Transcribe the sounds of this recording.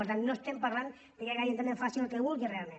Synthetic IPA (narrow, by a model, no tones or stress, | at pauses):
əɾt̪annost̪empaɾlan | d̪ekekajent̪ameɱfasilelkeβulˠɣirealmẽn